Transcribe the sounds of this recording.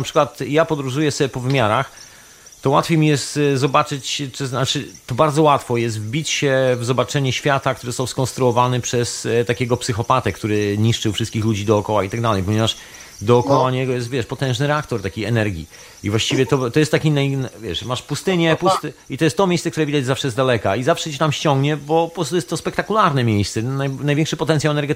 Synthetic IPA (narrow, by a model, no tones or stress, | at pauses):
napʂɘ̥kwat̪japɔd̪ɾuʐujɛsɔbʲɛpɔvɘmʲaɾax | t̪ɔwa̰t̪fʲjejmʲijɛst̪zɔbat͡ʂɘt͡ɕɛznat͡ʂɘt̪ɔbaɾd̪zɔwat̪fɔjɛs̬t̪vbʲit͡ɕɕɛvzɔbat͡ʂɛɲuɕfʲjat̪ak̚t̪uɾɨzɔst̪awskɔnst̪ɾuɔvanɘpʂɛst̪akʲeɡɔpsɨxɔpat̪ɛkt̪uɾɘɲiʂt͡ʂɨwfʂɘst̪̚kʲixlud͡ʑid̪ɔːkɔwait̪aɡd̪alɛjpɔɲɛvaʂ | d̪ɔːkɔwaɲɛɡɔjɛst̪vʲjɛʂt̪̚pɔt̪ɛ̃w̃ʐnɘɾɛakt̪ɔɾt̪akʲejɛnɛɾɡʲḭ | ivwaɕt͡ɕivʲɛt̪ɔt̪ɔjɛst̪ːakʲinajnvʲjɛʂmaʂpust̪ɘɲɛpust̪it̪ɔjɛst̪ːɔmʲejsɛkt̪uɾɛvʲid̪ad͡ʑzafʂɛjɛst̪d̪alɛkaizafʂɛt͡ɕit̪amɕt͡ɕɔ̃ŋɡɲɛbɔɔpɾɔst̪ujɛst̪ːɔspɛkt̪akulaɾnɛmʲjejssɛnajnajvʲɛ̃ŋkʂɘpɔt̪ɛnt̪sʲjawɛnɛɾɡɛ